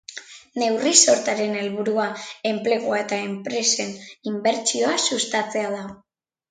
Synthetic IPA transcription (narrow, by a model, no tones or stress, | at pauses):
ne̞wriso̞ɾt̪aɾe̞ne̞lβuɾuae̞mple̞ɣ̞oae̞t̪ae̞mpɾe̞se̞nimbe̞ɾt͡ʃio̞asust̪at͡se̞aðaɣ